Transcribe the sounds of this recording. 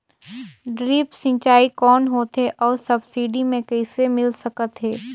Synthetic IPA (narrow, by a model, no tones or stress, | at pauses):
ɖɾiːpsɪ̃nt͡ʃaːikɔːnɦoːt̪ɦeʔɔːɾsɐbsiːɖimẽkɛɪsemɪlsɐkət̪ɦɛː